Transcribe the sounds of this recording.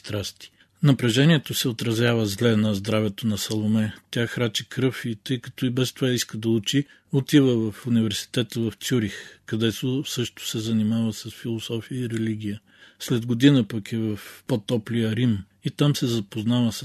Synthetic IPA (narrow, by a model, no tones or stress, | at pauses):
st̪ɾast̪i̥ | nɐpɾɐʒɛniɛt̪osɛot̪ɾɐzavəzlɛnɐzd̪ɾavɛt̪onɐsɐlˠomɛt̪ʲaxɾat͡ʃikɾɤfit̪ɤjkɐ̥t̪ɔibɛst̪ovaiskəd̪ɐut͡ʃi | ot̪ivəvɐfunivɛɾsi̥t̪ɛt̪əvɐft̪sʲuɾixkɐd̪ɛt̪osɤʃt̪ʊ̥sɛzɐnimavəsɐsfilˠosɔfijəiɾɛliɡ̟ʲijə | slɛd̪ɡod̪inəpɐkivɐfpɔt̪ɔplijəɾim | it̪amsɛzɐpoznavəs